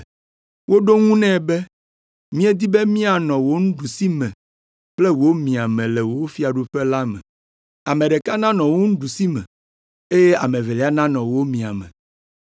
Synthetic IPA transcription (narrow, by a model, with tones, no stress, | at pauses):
wo˦ɖo˦ŋũ˦nɛ̃˦˨bɛ˦ | mĩ˦e˦d̪i˦bɛ˦mĩ˦a˨nɔ̃˨wo˦ŋũ˦ɖu˨si˦mɛ̃˨ | k͡plɛ˦wo˦mĩ˨a˨mɛ̃˨lɛ˨wo˨˦fi˦a˨ɖu˦ɸɛ˦la˦mɛ̰̃˨ | a˨mẽ˨ɖɛ˨ka˦nã˦nɔ̃˨wo˦ŋũ˦ɖu˨si˦mɛ̰̃˨ | e˦je˦a˨mẽ˨vɛ˨lɛ˨˦a˦nã˦nɔ̃˨wo˦mĩ˨a˨mɛ̰̃˨